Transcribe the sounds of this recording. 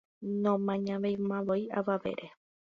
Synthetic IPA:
nõmãɲãʋejmãβoiʔaʋaʋḛɾe

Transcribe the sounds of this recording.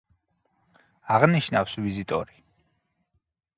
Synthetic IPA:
aʁniʃnafsvizit̪ʼɔ̰ɾi

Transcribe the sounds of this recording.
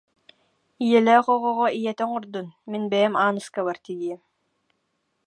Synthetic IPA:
ijɛlɛχɔʁɔʁɔijɛt̪ɛŋuɾd̪unminbɛjɛmaːnɯskaβaɾt̪iɡiɛm

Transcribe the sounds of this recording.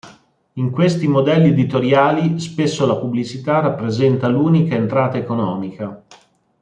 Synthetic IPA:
iŋkwest̪imod̪ɛlːied̪it̪oɾjaːlispesːolapublit͡ʃit̪arapːɾezɛnt̪aluːnikaent̪ɾaːt̪aekonɔːmika

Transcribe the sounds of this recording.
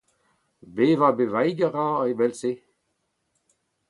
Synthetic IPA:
beːvabevajɡəʁaevɛlse

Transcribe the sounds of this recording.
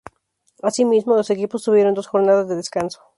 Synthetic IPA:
asimizmolose̞kipost̪uβje̞ɾo̞nd̪o̞sxoɾnaðazðe̞ðeskanso̥

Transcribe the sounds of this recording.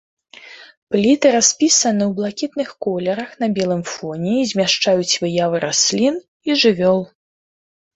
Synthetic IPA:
plʲit̪ɨɾasʲpʲisɐnɨwblˠakʲit̪nɨxkɔlʲɛɾɐxnɐbʲɛlˠɨmfɔnʲɛzʲmʲaʂt͡ʂajut͡sʲvɨjavɨɾasʲlʲin | iʐɨvʲɔlˠ

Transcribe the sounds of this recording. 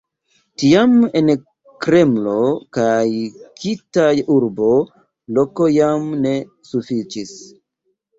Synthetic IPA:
tiamen | kɾe̞mlo̞kajkʰitajuɾbo̞ | lo̞ko̞jamne̞ | sufit͡ʃis

